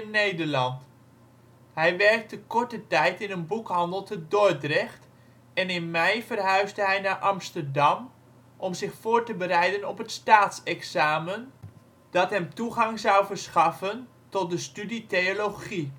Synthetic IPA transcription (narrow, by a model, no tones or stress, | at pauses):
nːejdəɹlɑnt | hɛjʋɛɹk̚təkɔɹtətɛjtɪnənbukɦɑndəlˠtʰədoɹdrɛχt | ɛnɪnmɛjfərɦœɥzdəɦɛjnaɹʔɑmstərdɑm | ʔɔmzɪχfoːɹtəbəɾɛjdənɔpətstaːtsɛksaːmən | d̥ɑtɦɛmtuχɑŋzɑwvərsχɑfən | tɔt̚dəstyditeolowχi